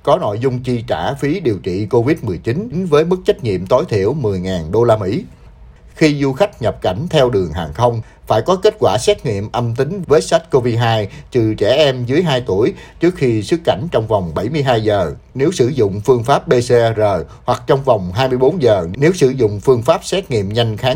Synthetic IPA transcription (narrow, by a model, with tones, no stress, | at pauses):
kɔ˨˦no̰˧˨jzʊ˧ŋ͡mt͡ɕi˧t͡ɕa̰ː˧˩fi˨˦ɗi˨˩əwt͡ɕḭ˧˨ko˧vi˦˥t̚mɨ˨˩əjt͡ɕi˨˦n˨˦ŋvəː˨˦jmɨ˦˥k̚t͡ɕa˦˥jk̟̚ɲḭ˧˨əmt̪o˨˦jt̪ʰḭ˧˩əwmɨ˨˩əjŋaː˨˩nɗo˧laː˧mḭ˧˥ | xi˧zu˧xa˦˥jk̟̚ɲə˨˩p̚ka˧˩jŋ̟t̪ʰɛ˧wɗɨ˨˩əŋɦaː˨˩ŋxə˧wŋ͡m | faː˧˩jkɔ˨˦ke˦˥t̚kwaː˧˩sɛ˦˥t̚ŋḭ˧˨əmʔə˧mt̪ï˨˦ŋ̟vəː˨˦jsa˦˥jt̚ko˧vi˧ɦaː˧jt͡ɕɨ˨˩t͡ɕɛ˧˩ʔɛ˧mzɨ˨˦əjɦaː˧jt̪u˧˩əjt͡ɕɨ˦˥ək̚xi˧sɨ˦˥kːa̰˧˩jŋ̟t͡ɕɔ˧wŋ͡mva˨˩wŋ͡mɓa˧˩jmɨ˧əjɦaː˧jzəː˨˩ne˨˦wsɨ˧˩zʊ̰˧˨ŋ͡mfɨ˧əŋfaː˦˥p̚ɓe˧se˧zəː˨˩jhwa˨˩k̚t͡ɕɔ˧wŋ͡mva˨˩wŋ͡mɦaː˧jm˧əjɓo˨˦nzəː˨˩ne˨˦wsɨ̰˧˩zʊ̰˧˨ŋ͡mfɨ˧əŋfaː˦˥p̚sɛ˦˥t̚ŋḭ˧˨əmɲa˧jŋ̟xaː˨˦ŋ